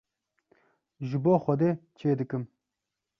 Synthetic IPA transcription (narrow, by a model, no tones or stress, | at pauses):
ʒɨboːxʷɐd̪eːt͡ʃʰeːd̪ɨkɨm